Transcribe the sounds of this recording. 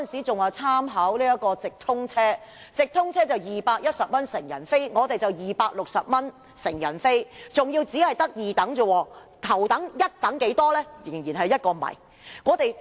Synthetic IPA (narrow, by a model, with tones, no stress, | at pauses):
nsiː˨˥t͡sʊ˨ŋaː˨t͡sʰaː˥mɦɐ˨˥wliː˥ɐ˥t̚kɔː˧t͡sɪ˨k̚t̪ʰʊ˥ŋt͡sʰɛː˥ | t͡sɪ˨k̚t̪ʰʊ˥ŋt͡sʰɛː˥t͡sɐ˨wjiː˨paː˧k̚jɐ˥t̚sɐ˨p̚mɐ˥nsɪ˨˩ŋjɐ̰˨˩nfe˥jŋɔː˨˧t̪e˨jt͡sɐ˨wjiː˨paː˧k̚lʊ˨k̚sɐ˨p̚mɐ˥n | sɪ˨˩ŋjɐ˨˩nfe˥jt͡sʊ˨ŋjiː˧wt͡siː˨˥hɐ˨jt̪ɐ˥k̚jiː˨t̪ɐ˨˥ŋt͡so˨wɔː˨˧ | t̪ʰɐ˨˩wt̪ɐ˨˥ŋjɐ˥t̚t̪ɐ˨˥ŋke˨˥jt̪ɔː˥lɛː˥jɪ˨˩ŋjiː˨˩nɦɐ˨jɐ˥t̚kɔː˧mɐ̰˨˩j | ŋɔː˨˧t̪e˨j